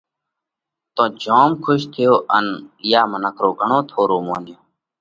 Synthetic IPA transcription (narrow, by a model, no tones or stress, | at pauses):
t̪õːd͡ʒʱoːmkʰʊʃt̪ʰɪjoːʔənjaːmənəkʰɾoːɡʱəɳoːt̪ʰoːɾoːmõːnd̪ɪjõː